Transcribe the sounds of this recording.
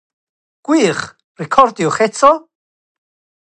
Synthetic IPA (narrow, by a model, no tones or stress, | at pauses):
ɡ̥wiːχ | rɪkʰɔɾd̪jɔχɛt͡sʰɔ